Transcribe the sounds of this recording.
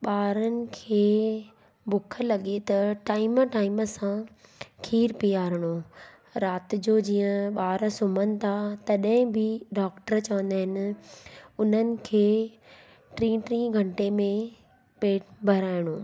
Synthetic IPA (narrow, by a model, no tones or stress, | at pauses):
ɓaːɾənɪ̆kʰeː | bʊkʰə̆lɐɠet̪ɐʈaːɪmʈaːɪməsãkʰiːɾpiaːɾɪɽ̃o | ɾaːt̪ɪ̆d͡ʑoːd͡ʑiːə̃ɓaːɾsʊmənɪ̆t̪ʰat̪ɐɗɦɪ̃bʱɪɖaːkʈəɾt͡ɕɐʋə̃nd̪aːɦɪnɪ̆ | ʊn̤ənɪ̆kʰeː | ʈɾĩːʈɾĩːɡʱɐ̃ɳʈemẽ | peːʈbʱɐɾaːɪɽ̃oː